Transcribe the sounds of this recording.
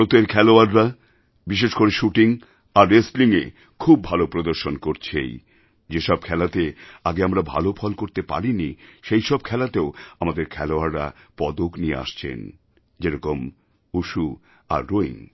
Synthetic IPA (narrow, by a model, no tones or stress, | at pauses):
ɾot̪eɾkʰɛloaɾːa | biʃ̬eʃkoɾeʃuʈiŋ | aɾːesʈliŋe | kʰub̚ːʱalopɾod̪oɾʃonkoɾt͡ɕʰḛj | d͡ʑeʃɔb̚kʰɛlat̪eaɡeamɾabʱa̰lopʰɔlkoɾt̪epa̰ɾiniʃejʃɔb̚kʰɛlat̪eoamad̪eɾkʰɛloaɾːa̰pɔd̪okniḛa̰ʃt͡ɕʰḛn | d͡ʑeɾɔkom | uʃu | a̰ɾːoḭŋ